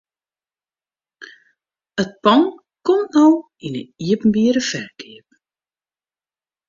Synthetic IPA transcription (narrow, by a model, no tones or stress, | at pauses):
ət̚pɑŋ | kɔnnɔw | inə̰iəpm̩biəɾəfɛrkiəp̚